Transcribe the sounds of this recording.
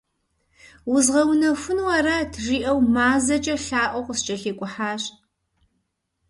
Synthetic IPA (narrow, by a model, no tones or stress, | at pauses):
wʊzʁɐwnɐxʷʊnwɐɾɐtʰʐiːʔɐwmaːzɐt͡ʃʼɐɬaːʔʷɔqʷʊst͡ʃʼɐɬeːkʷʼʊħaːɕ